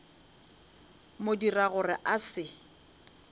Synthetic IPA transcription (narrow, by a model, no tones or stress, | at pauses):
modiraɣʊrɪʔasɪ